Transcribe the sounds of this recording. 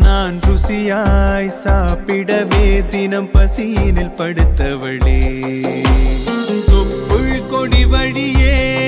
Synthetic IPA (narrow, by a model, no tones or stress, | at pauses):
naːnɾʊsɪjajsaːpːɪɽɐʋeːt̪ɪnɐmpɐsinɪlpɐɽɯt̪ːɐʋɐɭeː | sʊkːʊɻkɔɽiʋɐɻɪjeː